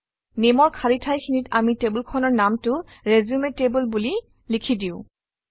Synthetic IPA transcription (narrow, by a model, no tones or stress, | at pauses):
nemɔɹkʰaɹitʰajkʰinitamitebulkʰɔnɔɹnamtʊ | ɹezumetebulbuli | likʰidiʊ̃